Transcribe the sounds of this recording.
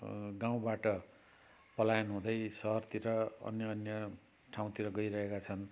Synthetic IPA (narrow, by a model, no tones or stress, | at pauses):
ɡãw̃baʈʌ | pʌlajʌnɦũd̪ʌjsʌɦʌrt̪iɾʌʌ̰njʌːnjʌ | ʈʰãw̃t̪iɾʌɡʌjɾʌɦekat͡sʰʌn